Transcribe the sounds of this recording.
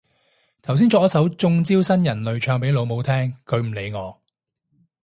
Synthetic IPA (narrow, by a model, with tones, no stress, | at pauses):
t̪ʰɐ˨˩ws̬iː˥nt͡sɔː˧kjɐ˥sɐ˨˥wt͡sʊ˧ŋt͡siː˥wsɐ˥njɐ˨˩nlɵ˨˧ɥt͡ʃʰœː˧ŋpe˨˥jlo˨˧wmo˨˧wt̪ʰɛː˥ŋkʰɵ˨˧ɥm̩˨˩le˨˧jŋɔː˨˧